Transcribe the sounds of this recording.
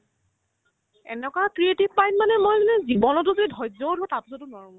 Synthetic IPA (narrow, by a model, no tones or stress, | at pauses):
ɛ̰nɛkakɹietibpajnmanɛmojɡulɛzibɔnɔt̬ʊzodidʱɔjzɔwdʱɔtapusɔtʊnɔɹũm